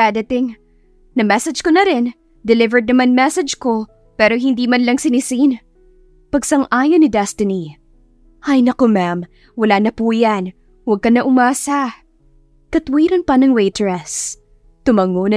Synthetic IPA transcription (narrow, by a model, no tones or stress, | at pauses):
ad̪ɐt̪ɪŋ | nɐmɛsɐd͡ʒkonɐɾɪn | d̪ɛlɪvɛɹd̪̚nɐmanmɛsɛd͡ʒko̞ | pɛːɾo̞ɦɪnd̪iːmɐnlɐŋsɪnɪsin | pɐɡsɐŋʔaːjɐnɪd̪ɛst̪ɪni | ɐjnɐkomam | wɐlaːnɐpujan | wɐɡ̚kɐnɐʔʊmaːsɐ | kɐt̪wiːɾonpɐnɐŋwejt̪ɹɛs | t̪ʊmɐŋonɐ